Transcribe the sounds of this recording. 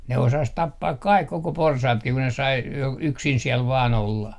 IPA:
ne osɑs tɑpːɑːk kɑik koko porsɑːtki ku ne sɑi j yksin siɛl ʋɑːn olːɑ

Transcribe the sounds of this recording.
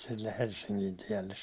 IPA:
silːeh̆ helsːiŋkin tielːes

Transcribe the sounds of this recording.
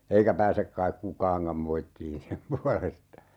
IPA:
eikæ pæːsek kɑik kukɑːŋkɑm moitːiːn sem puɑlestɑ

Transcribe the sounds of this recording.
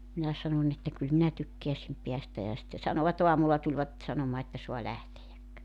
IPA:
minæ sɑnonʲ etːæ kyl minæ tykːeæsim peæstæ jɑ sĭtːe sɑnoʋɑt oɑmulːɑ tulʲʋɑt sɑnomɑː etːæ soɑ læhtejæk

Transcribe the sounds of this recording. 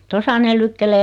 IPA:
tosɑ ne lykːeleː

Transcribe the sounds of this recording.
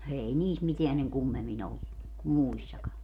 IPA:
ei niːs miteæn seŋ kumːemˑin olːu kum muisːɑkɑ

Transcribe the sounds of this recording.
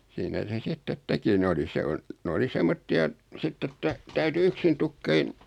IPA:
siːnæ se sitːet teki ne oli se on n oli semːotːiɑ sitː etːæ tæyty yksin tukːein

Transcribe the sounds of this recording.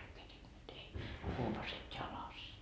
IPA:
kerinːyt ei huopɑset jɑlɑs

